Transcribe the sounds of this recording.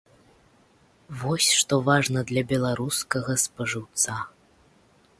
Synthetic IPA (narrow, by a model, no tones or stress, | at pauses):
vɔsʲʂt̪ɔvaʐnɐd̪lʲɐbʲɛlˠaɾuskɐɣɐspɐʐɨwt̪sa